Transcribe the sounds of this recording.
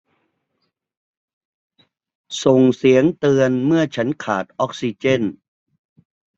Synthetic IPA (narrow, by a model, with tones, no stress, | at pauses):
so˨˩ŋsi˩˦əŋt̪ɯ˧ənmɯ˥˩ət͡ɕʰa˦˥nkʰa̰ː˨˩t̪̚ʔɔ˦˥k̚si˧t͡ɕe˥˩n